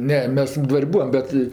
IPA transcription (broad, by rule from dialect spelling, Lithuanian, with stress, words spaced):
ˈnʲɛ ˈmʲɛs ˈdʋɐrʲ ˈbuːʋɐm ˈbʲɛt